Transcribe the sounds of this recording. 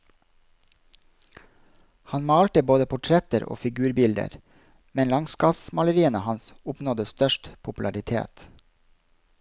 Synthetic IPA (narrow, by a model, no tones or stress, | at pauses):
hɑnmɑːlt̪əboːd̪əpʰʊʈʰɾɛt̪əɾʔo̰ːfɪɡʉːɾbɪld̪ə̰ɾ | mɛnlɑŋskɑːpsmɑləɾiːənəhɑnsʊpnɔd̪əst̪œʃʈpʰʊpʉlɑɾɪt̪ʰḛːt̪